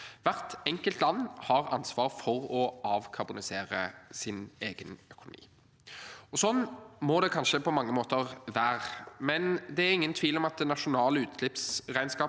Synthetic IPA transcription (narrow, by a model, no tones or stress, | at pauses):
ʋæʁt̪ɛŋkəlt̪lɑnːhɑʁɑnsʋɑːʁfɔʁɔʔɑːʋkʰɑbʊnɪseːɾəsɪneːɡənœkʊnʊ̰mḭː | ɔsɔnːmɔd̪ɛkʰɑnʃəpʰɔmɑŋːəmoːt̪əʁʋæːʁmɛnd̪ɛæʁɪŋːənt̪ʰʋiːlɔmɑt̪̚d̪ɛnɑʂʊnɑːləʉːt̪lɪpsʁæɪnskɑː